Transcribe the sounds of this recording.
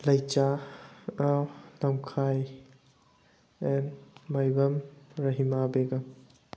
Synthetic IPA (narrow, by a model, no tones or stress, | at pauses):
lɐjt͡ʃa | namkʰaj | enmajbɐmɾɐɦimabeɡɐm